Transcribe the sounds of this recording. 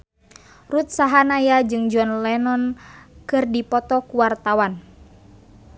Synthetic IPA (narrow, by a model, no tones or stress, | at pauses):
rut̪̚saɦanajad͡ʒɨŋd͡ʒɔnlɛnɔnkɨrdipɔt̪ɔkuwart̪awan